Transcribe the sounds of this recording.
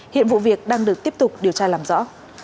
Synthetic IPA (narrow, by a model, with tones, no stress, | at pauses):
hḭ˧˨ənvṵ˧˨vi˨˩ək̚ɗaː˧ŋɗɨ˨˩ək̚t̪i˦˥əp̚t̪ʊ˨˩k͡p̚ɗi˨˩əwt͡ɕaː˧laː˨˩mzɔ̰˧˥